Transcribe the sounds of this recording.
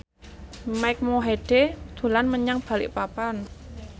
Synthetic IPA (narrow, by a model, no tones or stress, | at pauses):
maɪk̚moɦeɖ̥ed̪̥ṳlanməɲaŋb̥a̤lɪ̰ʔpapan